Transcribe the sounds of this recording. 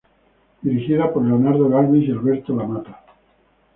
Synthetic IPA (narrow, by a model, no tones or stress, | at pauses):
d̪̥iɾixiðapoɾleonaɾðoɣalβisalβeɾt̪olamat̪ḁ